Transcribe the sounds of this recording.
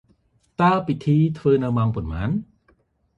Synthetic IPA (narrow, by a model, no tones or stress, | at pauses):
t̪aːpit̪ʰiːt̪ʰʋɤːnɨwmaŋpɔnmaːn